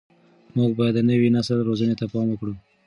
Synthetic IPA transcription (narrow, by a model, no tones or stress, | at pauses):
muɡ̚bɑjad̪nəwinasəlɾozənet̪apɑmwəkɽu